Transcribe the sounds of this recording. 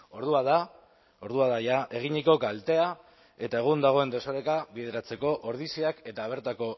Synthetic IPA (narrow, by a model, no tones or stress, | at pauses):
o̞ɾðuaða | oɾðuaðajaʔe̞ɣ̞iɲiko̞kalt̪e̞a | e̞t̪ae̞ɣ̞und̪aɣ̞o̞e̞nd̪e̞soɾe̞kaβiðe̞ɾat͡se̞ko̞ʔoɾð̞isiake̞t̪aːβ̞e̞ɾt̪ako̞